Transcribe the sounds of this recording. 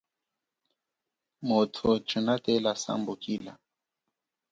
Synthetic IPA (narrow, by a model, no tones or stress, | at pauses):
motʰɔt͡ʃunatɛlasa̰mbukila̰